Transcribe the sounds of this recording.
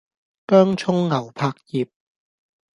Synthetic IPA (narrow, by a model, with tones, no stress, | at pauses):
kœː˥ŋt͡ʃʰʊ˥ŋːɐ˨˩wpʰaː˧k̚jiː˨p̚